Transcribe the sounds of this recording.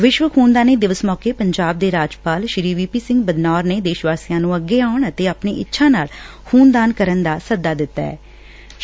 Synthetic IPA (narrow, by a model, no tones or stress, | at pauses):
ʋɪʃʋəkʰuːnd̪aːneːd̪ɪʋəsmɔːkeːpəɲd͡ʒaːb̚d̪eːɾaːd͡ʒpaːlʃɪɾiːʋiːpiːsɪ̃ŋɡbəd̪naːɾneːd̪eːʃʋaːsiːjãːnũːəɡːeːaːʊɳət̪eːaːpnḛːʔɪ̰tːʃʰãːnaːl | huːnd̪aːnkəɾənd̪aːsəd̪aːd̪ɪt̪ːa̰ːɛ̰ː